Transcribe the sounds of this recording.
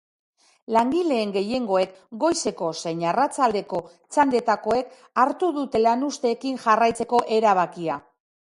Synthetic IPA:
laŋɡile̞ːŋɡe̞je̞ŋɡo̞e̞kɡo̞jse̞ko̞sejɲarat͡sald̪e̞ko̞ | t͡sand̪e̞t̪ako̞e̞k | aɾt̪uðut̪e̞lanust̪e̞ːkinʝarajt͡se̞ko̞ʔe̞ɾaβ̞akia

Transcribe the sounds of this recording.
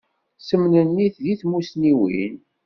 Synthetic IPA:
səmnənːiθðiθmusniwḭn

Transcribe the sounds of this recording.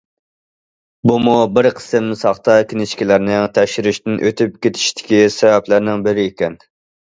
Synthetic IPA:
bumubɪɾqʰə̥sɨmsɑχt̪ɑkʲʰinɪʃkʲilæɾnɪŋt̪ʰɛʃɪɾyʃt̪ɪnʔøt̪ʰyp̚kʲet̪ʰɪ̥ʃt̪ʰɪ̥kʲisɛvæplæɾnɪŋbɪɾɪːkʲɛn

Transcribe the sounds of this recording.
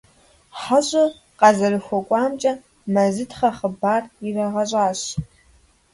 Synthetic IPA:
ħɐɕʼɐ | qɑzɐrɨxʷɔkʷʼɑːmt͡ʃʼɐ | mɐzɨtʰχɐχəbaːrirɐʁɐɕʼaːɕ

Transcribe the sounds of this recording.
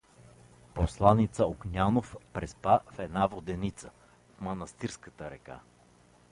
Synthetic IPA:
poslˠanit̪səoknʲanofpɾɛspafɛd̪navod̪ɛnit̪sə | fmɐnɐst̪iɾskət̪əɾɛka̰

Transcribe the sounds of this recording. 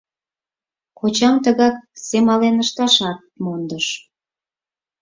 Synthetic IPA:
kot͡ɕɑmt̪əɣɑk̚semɑlenəʃt̪ɑʃɑt̪̚mond̪əʃ

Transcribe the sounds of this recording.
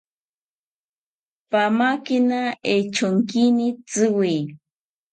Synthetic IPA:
pamakinaet͡ʃoŋkinit͡sɨwij

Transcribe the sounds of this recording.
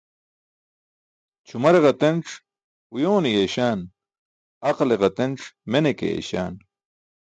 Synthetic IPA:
t͡ɕʰumɐɾeʁɐt̪enʈ͡ʂ | ujoːnijeːɕaːn | ɐqleʁɐt̪enʈ͡ʂmenekḛḛːɕa̰ːn

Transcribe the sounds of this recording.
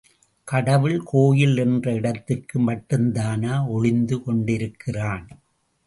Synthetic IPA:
kɐɽɐʋɯɭkʰoːjɪlɛndrɐɪɽɐt̪ːɪrkɯmɐʈːɯnd̪aːnaːɔɻɪnd̪ɯkɔɳɖɪɾɯkʰːɪraːn

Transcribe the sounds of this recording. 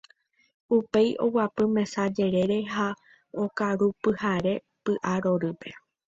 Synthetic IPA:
upe̞jʔo̞̰wapɨmẽ̞sad͡ʒe̞ɾe̞ɾe̞ɦa | okaɾupɨhaɾe̞ | pɨʔaɾo̞ɾɨpe̞

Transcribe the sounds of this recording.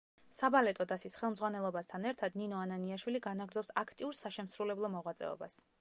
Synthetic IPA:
sabalɛt̪ʼɔd̪asisχɛlˠmd̪zʁwanɛlˠɔbast̪ʰanɛɾt̪ʰad̪ninɔananiaʃwiliɡanaɡɾd̪zɔpsakʰt̪ʼiuɾsaʃɛmsɾulɛblˠɔmɔʁwat̪sʼɛ̰ɔ̰bas

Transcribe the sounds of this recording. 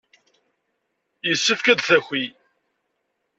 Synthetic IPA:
jəsːəfkæd̪θæxʷːi

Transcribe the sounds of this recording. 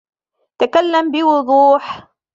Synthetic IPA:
t̪akalːambɪwʊðˤuːħ

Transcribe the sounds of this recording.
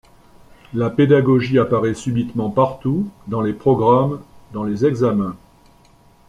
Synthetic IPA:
laped̪aɡɔʒiapaʁɛsybit̪mɑ̃paʁt̪ud̪ɑ̃lepχɔɡʁamd̪ɑ̃lezɛɡzamɛ̃

